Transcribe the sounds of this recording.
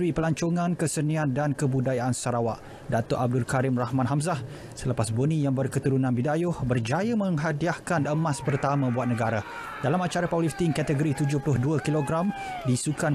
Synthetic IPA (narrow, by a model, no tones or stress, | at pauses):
ipəlaɲt͡ʃoŋãnkəsəniandankəbudajaʔansaɾawaʔ | dat̪ɔʔab̚dulkaɾɪmrahmãnɦamzah | sələpasbonĩjaŋbərkət̪uɾunãnbidajʊhbərd͡ʒajamə̃ŋɦadiahkanəmãspərt̪amãbuat̪̚nəɡaɾa | dalamat͡ʃaɾapawlift̪iŋkat̪əɡoɾit̪ud͡ʒʊhpulʊhduakiloɡɾam | disukan